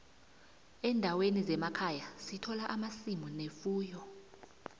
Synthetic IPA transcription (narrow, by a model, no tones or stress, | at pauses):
ɛndʱawenizɛmakʰajasitʰɔlaʔamasimunefuːjɔ